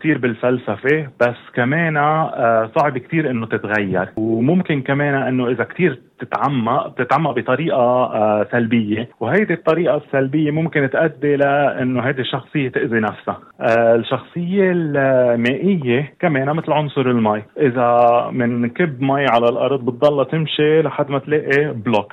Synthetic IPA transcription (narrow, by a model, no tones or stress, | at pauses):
k̚t̪iːɾbɪlfalsafeb̥asːkameːnasˤɑʕbɪkt̪iːɾʔɪnːot̪ɪt̪ɣajːɑ̰ɾˤwmʊmkɪnkameːnaʔɪnːoʔɪzakt̪iːɾt̪ɪt̪ʕamːaʔb̚t̪ɪt̪ʕamːaʔbit̪ˤɑɾiːʔasalbɪjːewɦajd̪it̪ˤːɑɾiːʔasːalbɪjːemʊmkɪnt̪ʔad̪ːelaʔɪ̰nːoɦajd̪iʃːɑxsˤɨjːet̪ɪʔzinafsa | lʃːɑxsˤɨjːelmeːʔɪjːekameːnamɪt̪lʕʊnsˤʊɾˤɪlmajʔɪzamɪnkɪbːmajːʕalalʔɑ̰ɾˤd̪ˤbɨt̪̚d̪ˤːɑlːɑt̪ɪmʃilaħad̪ːmat̪leːʔiblok